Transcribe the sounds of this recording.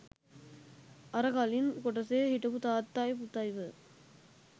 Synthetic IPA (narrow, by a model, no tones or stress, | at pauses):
ʔɐɾɐɣaːlɪnkɔʈːɐseːhɪʈːɐpɯt̪aːt̪ːaːjput̪ːaːjʋɯ